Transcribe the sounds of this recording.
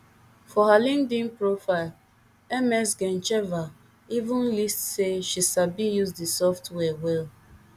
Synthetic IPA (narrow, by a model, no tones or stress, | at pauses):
fɔɦalĩndĩnpɹofaɪl | ɛmɛsɡɛ̃nt͡ʃɛva | ivũnlistseʃisabijuzdisɔftwɛwɛl